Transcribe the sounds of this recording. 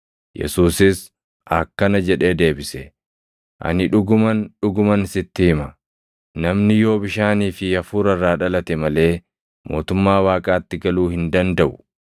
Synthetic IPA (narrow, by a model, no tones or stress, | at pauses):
jɛ̰suːsɪs | ʔɐkːɐnɐd͡ʒɛᶑe̞ːd̪e̞ːbɪsɛ | ʔɐ̰nɪᶑʊɡʊmɐnᶑʊɡʊmɐnsɪt̪ːɪhɪmɐ | nɐmnɪjo̞ːbɪʃaːniːfɪɐfuːɾɐrːaːᶑɐlɐt̪ɛmɐle̞ː | mo̞ːt̪ʊmːaːwaːkʼaːt̪ːɪɡɐluːhɪnd̪ɐnd̪ɐʔʊ